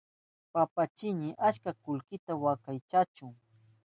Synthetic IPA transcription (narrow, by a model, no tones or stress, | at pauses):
papat͡ʃɪɲɪʔaʃkakʊlkɪt̪awakajt͡ʃat͡ʃʊŋ